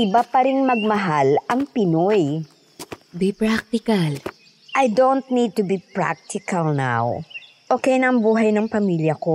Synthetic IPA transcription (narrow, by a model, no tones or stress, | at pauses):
ʔɪbapɐɾɪnmɐɡ̚mɐɦalʔɐŋpɪnoj | bipɹak̚t̪ɪkal | ʔɐjd̪ont̪̚nid̪̚t̪ʊbipɹa̰k̚t̪ʰɪkɐlna̰w | ʔoːkɛjnɐŋbuːɦɐjnɐŋpɐmiːljɐko